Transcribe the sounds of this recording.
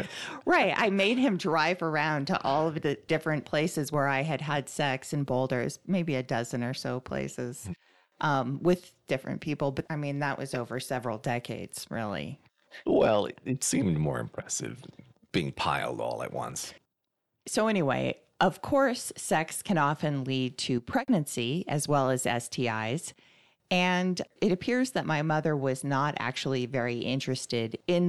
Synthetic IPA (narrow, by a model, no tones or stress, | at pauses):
ɹaɪt̚a̰ɪmeɪd̚ɨ̃mdɹaɪvə˞ãʊ̃ntʰə̰ʔɔlˠʌvðɨd̥ɪfɹɨ̃npʰl̥eɪsɨzwə˞aɪɨd̚əd̥sɛksɨ̃n̩boʊlˠdə̰˞z̥meɪbiɨdʌzɨ̃nə˞soʊpʰl̥ḛɪsɪz̥ | ʔʌ̃mwɪðd̥ɪfɹɨ̰̃npʰipl̩ˠbʌaɪmĩnðəʔ̚wʌ̰zoʊvə˞sɛvɹl̩ˠdɛkʰeɪdz̥ɹɪ̰lˠḭ | wɛl̰ˠɨtsĩmdmɔ̰ɹɨ̰̃mpʰɹ̥ɛsɨ̰v | b̥iɪ̃ŋpʰa̰ɪl̩ˠdɔ̰lˠə̰ʔ̚wʌ̰̃ns | soʊɛñiwḛɪ | ʔʌv̥kʰɔɹsːɛkskʰɨ̃ñɑfɨ̃nlid̚tʰɨpʰɹ̥ɛɡ̚nɨ̃nsiɨ̰zwɛlˠɨzɛ̰stʰiaɪz̥ | ɨ̃nɨɾɨpʰɪɹzðɨt̚maɪmʌðə˞wʌznəɾæ̰k̚t͡ʃul̩ˠivɛɹiʔɪ̃nt͡ʃɹ̥ɨstɪɾɪ̃n